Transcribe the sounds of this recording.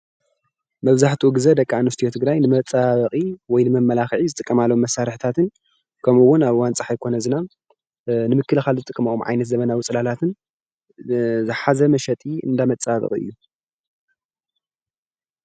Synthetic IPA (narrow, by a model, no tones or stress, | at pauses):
mɐβzaħt̪ʰiuɡɨzɐd̪ɐkʼːaanust̪ijot̪ʰɨɡɾajnɨmɐt͡sʼaβɐχʼiwɔjnɨmɐmːɐlaxʕizɨt̪ʼɨkʼːɐmalːɐomːɐsːaɾɨħɨt̪ʰat̪ʰɨn | kʰɐmuwʊnaβwant͡sʼaħajkʰo̞nɐzɨna | nɨmɨkːɨlɨxalzɨt̪ʼɨkʼːɐmɐʔomʕa̰jnɐt̪zɐβɐnawʊt͡sʼɨlalat̪ʰɨn | zɨħazɐmɐʃɛt̪ʼiɨ̰nd̪amɐt͡sʼaβɐ̰kʼḭʔɨ̰jːu